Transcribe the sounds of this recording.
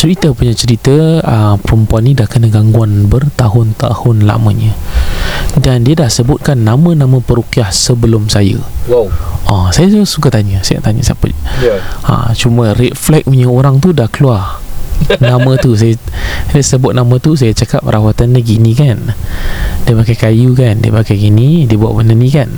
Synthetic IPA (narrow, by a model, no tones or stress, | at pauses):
t͡ʃəɾit̪əpuɲat͡ʃəɾit̪əəpəɾəmpuanːidahkənəɡaŋɡuanbərt̪aɦʊnt̪a̰hʊnla̰mə̰̃ɲə̃ | dandiədahsəbʊt̪̚kanːamə̃namə̃pəɾukiahsəbəlʊmsajə̰ | ɔsajausukat̪aɲəsaja̰t̪aɲə̰sa̰pə̰ | a̰t͡ʃumə̃rit̪̚flɛk̚ɲəoɾaŋt̪udahkəluar | nãmə̃t̪us̬ajəajəsəbʊt̪̚namə̃t̪us̬ajət͡ʃakap̚rʔawat̪andəɡinĩkan | diəpakajkajukandiə̰pakajɡinidiəbua̰ʔbənənĩkan